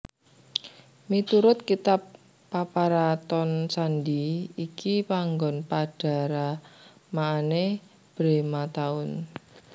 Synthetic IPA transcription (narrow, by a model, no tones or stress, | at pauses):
mit̪uɾʊt̪̚kit̪apː | apaɾat̪ɔnsandiikipaŋɡɔnpaɖ̥a̤ɾa | maːne | b̥ɾemat̪aʊn